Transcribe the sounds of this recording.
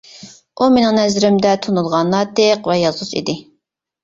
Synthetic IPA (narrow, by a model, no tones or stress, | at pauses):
ʔumenɪ̃ŋnɛzɪɾɪmd̪ɛt̪ʰunulˠʁɑnːˠɑt̪ʰeqvɛjɑzʁʊt͡ʃḭd̪ɪ